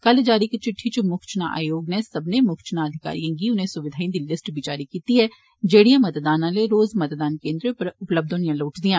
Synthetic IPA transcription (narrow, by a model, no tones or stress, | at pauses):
kɐld͡ʒaːɾiket͡ʃɪʈʰːit͡ʃmʊkt͡ʃnaʔa̰ːjoːɡnesɐbnemʊkt͡ʃnaɐd̪ʱɪka̰ːɾijãɡiʊnɦẽsʊʋɪd̪ʱaːĩnd̪ɪlːɪsʈbʱit͡ʃaːɾikiːt̪iɦɛ | d͡ʒeːɽijãmɐt̪d̪aːnãleɾoːzmɐt̪d̪aːnkẽːnd̪ɾõpɐɾʊpləb̚d̪oːnijãloːʈd̪ijãː